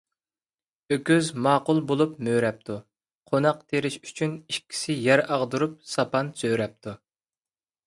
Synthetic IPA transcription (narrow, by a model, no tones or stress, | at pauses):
økʲyzmɑːqʊlˠbolˠupmøːɾɛp̚t̪ʰu | qʰonɑqt̪ʰeɾɪʃy̥t͡ʃʰynikʲʰːi̥sɪjɛɾɑʁd̪uɾup̚sɑpɑnsøɾɛp̚t̪ʰu